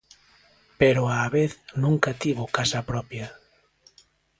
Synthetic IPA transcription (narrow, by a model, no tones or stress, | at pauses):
peɾʊaβeθnũŋkɐt̪iβʊkasɐpɾɔpjɐ